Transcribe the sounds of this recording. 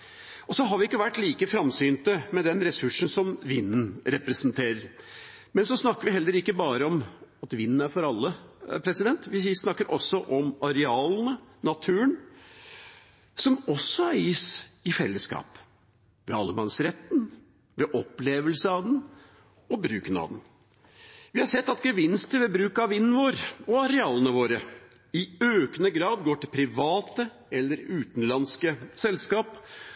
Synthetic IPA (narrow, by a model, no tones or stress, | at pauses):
ɔsɔɦɑɾʋɪɪkːəʋæʈːliːkəfɾɑmsyːnt̪əmɛd̪ɛnɾɛsʉʂɳ̩sɔmʋɪnːn̩ɾɛpɾɛsənt̪ʰeːɾəɾ | mɛnsɔsnɑkːəɾʋɪɦɛlːəɾɪkːəbɑːɾəɔmɑt̪ʋɪnn̩æɾfɔɾɑlːəpʰɾɛsɪd̪ɛnt̪ʋɪɪsnɑkːəɾʔɔsːɔʔɔmɑɾɛɑːln̩ənɑt̪ʰʉːən | sɔmɔsːɔæɾɪːsɪfɛlːəskɑ̰ːp | ʋɛɑlːəmɑ̰nsɾɛt̪ːn | ʋɛʔɔpːleːʋəlsəɑʋd̪ɛn | ɔbɾʉːkənɑ̰ʋd̪ɛn | ʋɪhɑɾsɛt̪ːɑt̪ɡəʋɪnst̪ʰəʋɛbɾʉːkɑʋɪnn̩ʋoːɾɔɑɾɛɑːlənəʋoːɾə | ɪøːkənəɡɾɑːd̪ɡoːʈɪlpʰɾɪʋɑːt̪ə | ɛlːəɾʉːt̪n̩lɑnskəsɛlskɑːp